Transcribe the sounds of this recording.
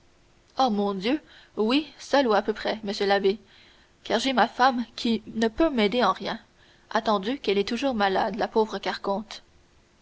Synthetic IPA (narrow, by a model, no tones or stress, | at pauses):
omɔ̃d̪jø | wisœluapøpχɛməsjølabe | kaːʁʒɛmafamkʲʰinəpømɛd̪eɑ̃ʁjɛ̃ | ʔa̰t̪ɑ̃d̪ykɛlɛt̪uʒuːʁmala̰d̪lapoːvʁəkaʁkɔ̃t̪